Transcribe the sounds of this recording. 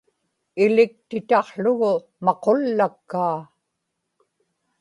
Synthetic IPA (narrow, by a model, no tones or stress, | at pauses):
ɪlɪk̚t̪ɪt̪ɑqɬʊɣʊ | mɑqolːakːaː